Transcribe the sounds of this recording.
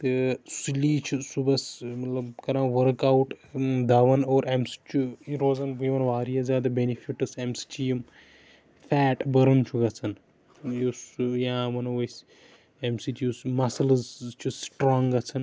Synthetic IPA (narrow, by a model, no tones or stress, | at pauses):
t̪ɨsiliːt͡ʃʰisubɐsmɐt̪lɐbkɐɾãːʋɐɾkawʈd̪aʋɐnoːɾemsi̥t͡ʃʰuiɾoːzɐnbiʋɐnʋaːɾijɐzʲjaːd̪ɐbenifʰiʈɨsemsi̥t͡ʃʰijm | fɛːʈbɐɾunt͡ʃʰuɡɐt͡sʰɐn | josjãːʋɐnɐʋɐs | emsit̪jusmɐsɐlɐzt͡ʃʰusʈɾɔːŋɡɡɐt͡sʰɐn